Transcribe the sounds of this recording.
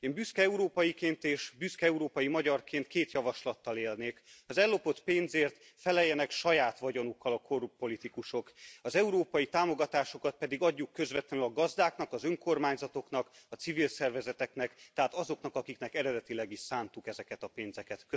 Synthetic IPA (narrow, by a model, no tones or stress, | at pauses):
mbyskɛɛuɾoːpɒjikeːnt̪eːʃbyskɛɛuɾoːpɒjimɒɟɒrkeːnt̪keːt̪jɒvɒʃlɒt̪ːɒleːlneːkɒzɛlːo̞po̞t̪peːnzeːrt̪ | fɛlɛjːɛnɛkʃɒjaːt̪ʋɒɟo̞nukːɒlɒkʰo̞rupːo̞lit̪ikuʃo̞kɒzɛuɾoːpɒjit̪aːmo̞ɡɒt̪aːʃo̞kɒt̪̚pɛd̪iɡɒɟːukːø̞zvɛt̪lɛnylɒɡɒzd̪aːkn̪ɒkɒzøŋko̞rmaːɲzɒt̪o̞kn̪ɒkɒtsivilsɛrvɛzɛt̪ɛknɛkt̪ɛɦaːt̪ɒzo̞knɒkɒkiknɛkɛɾɛd̪ɛt̪ilɛɡiʃsaːnt̪ukɛzɛkɛt̪ɒpeːnzɛkɛt̪kø